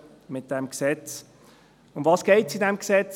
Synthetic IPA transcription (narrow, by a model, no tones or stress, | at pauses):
mɪt̚d̥ɛmksɛt͡s | ʊndvɑːsɡ̥ɛɪtsidɛmksɛt͡s